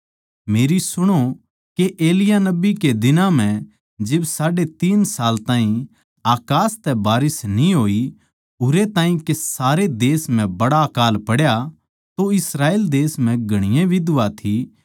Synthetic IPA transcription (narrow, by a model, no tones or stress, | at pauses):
meːɾisʊɽ̃o | keʔeːlɪjanɐbiked̪ɪnãm̤ɛ̃ | d͡ʒɪbsaːɖet̪iːnsaːlt̪aːɦĩ | aːkaːst̪ɛbaːɾɪsnĩɦoːi | ʊɾet̪ãːĩkesaːɾed̪eːsm̤ɛ̃bɐɽakaːlpɐɽja | t̪oɪsɾaːeːld̪eːsm̤ɛ̃ɡʱɐɽ̃ɪjẽʋʱid̪ʋat̪ʰi